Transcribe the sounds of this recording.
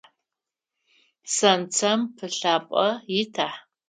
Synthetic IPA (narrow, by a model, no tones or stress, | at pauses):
sɐnt͡sʰɐmpʰɨɬaːpʼɐjɪtʰaħ